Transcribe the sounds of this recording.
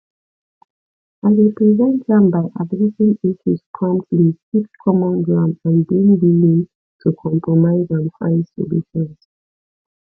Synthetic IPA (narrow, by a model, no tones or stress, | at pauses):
aɪɹɛpɹɛzɛ̃ntɡãmbaɪʔavɹisĩniʃuskʰɔ̃mtlififkʰɔmɔ̃nɡɹãmãnbĩnbilĩn | tʰukʰɔ̃mpɹɔmaɪzãnfã̰ɪ̃nsɔ̰luʃɔ̃ns